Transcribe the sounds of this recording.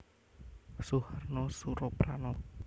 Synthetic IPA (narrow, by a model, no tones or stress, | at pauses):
suharnɔsuɾɔpɾanɔ